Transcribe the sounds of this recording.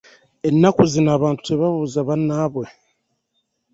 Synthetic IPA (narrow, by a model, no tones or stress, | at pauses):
e̞nːakuzinaːβaːntu̥teβaβuːzaβanːaːβwe